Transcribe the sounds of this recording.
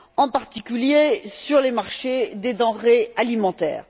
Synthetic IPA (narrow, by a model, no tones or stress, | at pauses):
ɑ̃paʁt̪ikʲyljesyʁlemaʁʃed̪ed̪ɑ̃ʁealimɑ̃t̪ɛ̰ːʁ